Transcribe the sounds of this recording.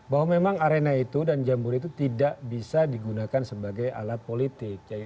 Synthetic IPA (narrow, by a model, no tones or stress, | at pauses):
baɦwamemaŋaɾenait̪udand͡ʒambʊɾit̪ut̪idaʔbisadiɡunakansəbaɡaja̰lat̪̚polit̪ɪk̚ja